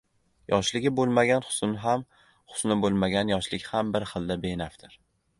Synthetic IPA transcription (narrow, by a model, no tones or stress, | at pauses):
jɒʃlɪɡʲɪbolˠmaɡʲanχʊ̥sʊnɪɦam | χʊ̥snɪbolˠmaɡʲanjɒʃlɪkʲhambɪɾχɨlˠd̪abenaft̪ʰɪɾ